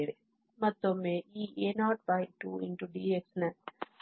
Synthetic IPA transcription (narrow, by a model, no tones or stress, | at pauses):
ɾi | mɐt̪ːomːeiːʔenaːʈ̚baɪʈṵːĩnʈuɖiːeksnɐ